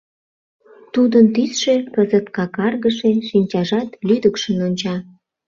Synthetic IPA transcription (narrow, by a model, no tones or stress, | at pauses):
t̪ud̪ənt̪isʃepəzət̪kɑkɑrɣəʃeʃinʲt͡ɕɑʒɑt̪lyd̪əkʃənonʲt͡ɕɑ